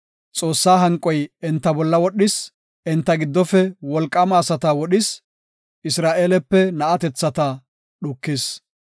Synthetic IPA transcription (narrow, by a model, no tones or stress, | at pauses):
t͡sʼo̞ːsːaːɦɐŋkʼːɔjɛnt̪ːɐbɔlːɐwɔɗːɪs | ɛnt̪ːɐɡɪd̪ːɔfɛwɔlkʼːɐmaːsɐt̪ɐwɔɗɪs | ʔɪsɾaːʔeːlɛpːɛnɐʔɐt̪ɛt͡sːɐt̪ɐ | ɗʊkːɪs